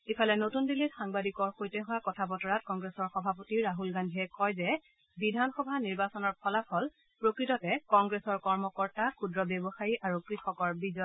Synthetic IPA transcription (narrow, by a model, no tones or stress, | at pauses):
ipʰalɛnotundilitxaŋbadikɔɹxojtɛɦʊwakɔtʰapɔtɔɹat̚kɔŋɡɹesɔɹxɔbʱapotiɹaɦulɡandʱiɛkɔjzɛ | bidʱanxɔbʱaniɹbasɔnɔɹpʰɔlapʰɔl | pɹokɹitɔtɛkɔŋɡɹesɔɹkɔɹmɔkɔɹtakudɹɔbebɔxajiʔaɹukɹixɔkɔɹbizɔ